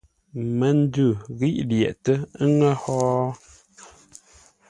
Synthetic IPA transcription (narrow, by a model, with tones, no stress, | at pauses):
mə˨˦n˦dʉ˦˨ɣi˦ʔljɛ̰˨ʔtə˦ŋə˦hɔː˦